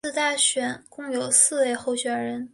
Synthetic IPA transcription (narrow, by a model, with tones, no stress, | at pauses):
t̪a˥˩ɕɥɛ˨˩nkʊ˥˩ŋjo˨˩ʊsɹ̩˥˧we˥˧ɪxo˥˩ʊɕɥɛ˨˩nɻə˧˥n